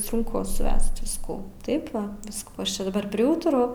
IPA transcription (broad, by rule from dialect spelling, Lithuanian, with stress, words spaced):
sʊŋˈkʊ sʊˈʋʲæːsʲtʲɪ ʋʲɪsˈkuː ˈtɐɪp ˈʋɐ ˈʋʲɪskuː ˈɐʃ ˈt͡ʃʲɛ dɐˈbɐr pʲrʲɪˈuːtʊrɐʊ